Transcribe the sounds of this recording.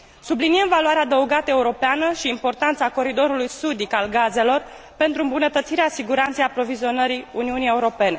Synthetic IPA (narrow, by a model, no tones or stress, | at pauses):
sublinijemvalwaɾead̪əuɡat̪əe̞uɾo̞peanəʃiːmpo̞rt̪ant̪sako̞ɾid̪o̞ɾulujsud̪ikalɡaze̞lo̞r | pe̞nt̪ɾuɨmbunət̪ət̪siɾeasiɡuɾant̪sejapɾo̞vizionəɾiuniunije̞uɾo̞pe̞ne̞